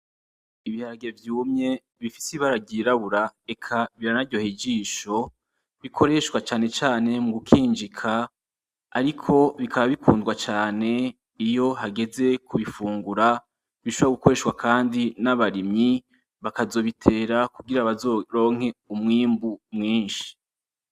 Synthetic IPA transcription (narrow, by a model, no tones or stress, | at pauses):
iβihaɾaɡevjuːmɲe̞ | βifi̥siβaɾaɟiɾaβuɾae̞kʰaβiɾanaɾɟo̞hid͡ʒiːʃo̞ | βikʰo̞ɾe̞ʃwat͡ʃaːne̞t͡ʃaːne̞muɡukʰiːnd͡ʒikʰa̰ː | ɾikʰo̞βikʰaβaβikʰuːndɡwat͡ʃaːne̞ | ijo̞ɦaɡe̞ze̞kuβifuːŋɡuɾa | βiʃoβoɾaɡuko̞ɾe̞ːʃwakʰaːndinaβaɾimɲi | βakazo̞ːβitʰe̞ːɾakuɡiɾaβazoɾo̞ːŋ̥he̞umŋiːmbumŋiːnʃi̥